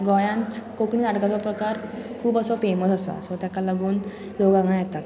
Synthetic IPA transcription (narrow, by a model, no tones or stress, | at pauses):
ɡɔjãnt̪kokɳiːd̪aɽɡat͡sɔpɾəkaɾkʰuːbəsɔfeməsasa̰sɔt̪akalaɡuːn | d͡zoɡãŋãjɛt̪at̪